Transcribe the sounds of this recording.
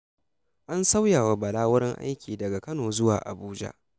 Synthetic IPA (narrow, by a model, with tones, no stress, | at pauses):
ʔa˦nsa˦wjaː˨wa˨bɐ˨laː˦wʊ˦ɾɪ˦ŋʔa̰˦jkʲiː˨dɐ˨ɡa˨kɐ˦noː˨zʊ˦waː˨ʔa̰˨buː˦d͡ʒa̰˦ʔ